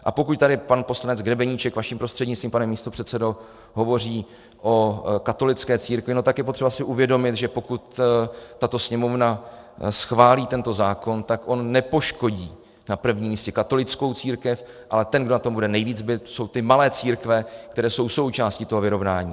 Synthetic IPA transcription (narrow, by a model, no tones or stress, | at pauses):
ʔa̰pokuc̚t̪adɪpanpo̞slanɛd͡zɡɾɛbɛɲiːt͡ʃɛkvaʃimpɾo̞st̪r̥ɛdɲɪt͡sst̪vimpanɛmiːst̪opr̝̥ɛt̪t͡sɛdo | ɦo̞vo̞r̝iː | ʔo̞kat̪o̞lɪt͡skɛːt͡siːɾkvɪno̞t̪akjɛpot̪r̥ɛbasɪʔuvjɛdo̞mɪt̪ʒɛpo̞kut̪t̪at̪o̞sɲɛmo̞vna | sxvaːliːt̪ɛnt̪o̞zaːko̞nt̪akʔo̞nːɛpo̞ʃko̞ɟiː | napr̩vɲimiːscɛkat̪o̞lɪt͡sko̞wt͡siːɾkɛf | ʔalɛt̪ɛnɡdo̞nat̪o̞mbudɛnɛjviːd͡zbɪt̪so̞wt̪ɪmalɛːt͡siːɾkvɛkt̪ɛɾɛːso̞wso̞wt͡ʃaːscɪt̪o̞ɦovɪɾo̞vnaːɲiː